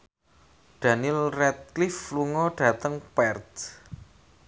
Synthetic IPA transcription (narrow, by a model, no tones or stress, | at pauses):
ɖ̥a̤nilrɛt̪̚klifluŋɔɖ̥ä̤t̪əŋpɛrt̪